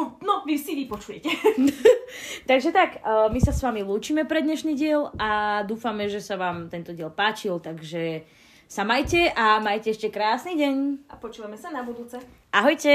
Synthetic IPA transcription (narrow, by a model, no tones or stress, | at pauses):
nɔʋisiʋipɔt͡ʃujɛcɛ | t̪aɡʒɛt̪akːmisasʋamiluːt͡ʃiːmɛpɾɛd̪ɲɛʃniːɟɪɛlad̪uːfamɛʒɛsaʋaːmt̪ɛnt̪ɔɟɪɛlpaːt͡ʃilt̪aɡʒɛ | samajcɛʔamajcɛɛʃcɛkɾaːsniːɟɛɲʔapɔt͡ʃuːʋamɛsanabud̪uːt͡sɛ | ʔaɦɔjcɛ